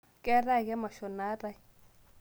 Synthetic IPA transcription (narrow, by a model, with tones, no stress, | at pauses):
kɛ˦ra˦˨kɛ˦ma˨ʃɔ˨na˦ra˦˨˦